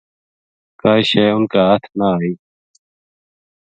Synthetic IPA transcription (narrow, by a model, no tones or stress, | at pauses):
kaːiʃeːʊnkaːɦət̪ʰnaːiː